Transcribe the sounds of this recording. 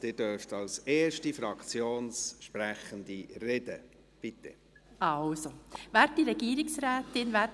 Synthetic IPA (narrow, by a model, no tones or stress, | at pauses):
d̥ɪːdøɾftɑlseːɾʃtifɾɑkt͡sjoːnsʃpɾæχənd̪irɛdə | b̥ɪt̪ːɛ | ʔɑlsoʋæːɾtdiɾɛɡ̥iːɾɪksɾæːt̪ɪnvæ